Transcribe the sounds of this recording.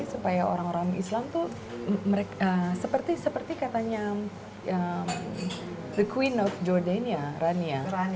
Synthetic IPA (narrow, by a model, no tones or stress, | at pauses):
supajao̰ɾaŋoɾaŋŋḭslamt̪u | məɾekəsəpərt̪isəpərt̪ikat̪aɲa | əm | d̪əkʰwinɔfd͡ʒɔrdanijaɾania